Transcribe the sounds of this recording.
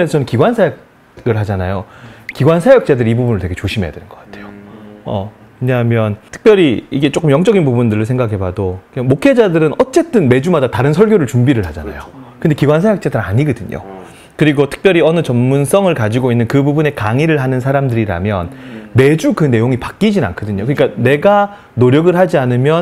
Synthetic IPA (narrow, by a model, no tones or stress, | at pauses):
esʰʌnɯnkiɡwansʰajʌk̚ | ɡɯɭɦad͡ʑanajokiɡwansʰajʌk̚t͡ɕ͈adɯɾibubunɯɭtwe̞ɡet͡ɕoɕʰimɦe̞ja̰dwenɯnɡ̥ʌk͈ḁtʰe̞̥joʌ | we̞ɲaɦamjʌntʰɯ̥k̚p͈jʌɾiiɡe̞t͡ɕ͈ok͈ɯmjʌŋt͡ɕ͈ʌɡinpubundɯɾɯɭsʰe̞ŋɡakʰe̞badokamokʰe̞d͡ʑadɯɾɯnʌt͡ɕ͈e̞t͈ɯnme̞d͡ʑumadataɾɯnsʰʌɭɡʲjoɾɯɭt͡ɕumbiɾɯɭhad͡ʑana̰jokɯnde̞kiɡwansʰejak̚t͡ɕ͈adɯɾa̰ɲiɡʌdɯɲo̰ | kɯɾiɡotʰɯ̥k̚p͈jʌɾiʌnɯt͡ɕʌnːuns͈ʰʌŋɯɭkad͡ʑiɡoinːɯnkɯbubune̞kaŋiɾɯɭɦanɯnsʰaɾamdɯɾiɾa̰mjʌnme̞d͡ʑukɯne̞joŋipak͈id͡ʑina̰nkʰʌdɯɲokɯɲik͈ane̞ɡa | noɾjʌɡɯɭɦad͡ʑianɯmjʌn